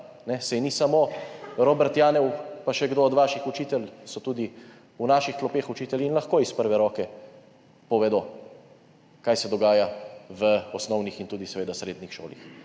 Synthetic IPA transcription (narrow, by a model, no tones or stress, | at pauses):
nɛsɛjnisamoːɾoːbɛɾt̪jaːnɛwpaʃɛɡd̪oɔd̪ʋaːʃixut͡ʃiːt̪ɛlsɔt̪uːd̪i | unaːʃixt̪lɔpeːxut͡ʃiːt̪ɛliːnlaxkoːispəɾʋɛɾɔːkɛ | pɔʋed̪o | kaːjsɛd̪ɔɡaːjaʋəɔsnɔwnixint̪uːd̪isɛʋeːd̪asɾeːd̪nixʃo̰ːlḭx